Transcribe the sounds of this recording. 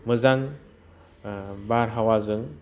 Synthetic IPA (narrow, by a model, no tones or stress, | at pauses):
mɯzaŋ | baɾɦawazɯŋ